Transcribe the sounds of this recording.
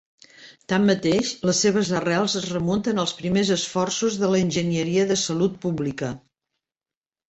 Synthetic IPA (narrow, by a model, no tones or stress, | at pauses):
t̪amːət̪eʃləsːeβ̞əzəralˠzəzrəmunt̪ənəlˠspɾimezəsfɔrsuzðələinʲʒənjəɾiəðəsəlut̪̚puβlikə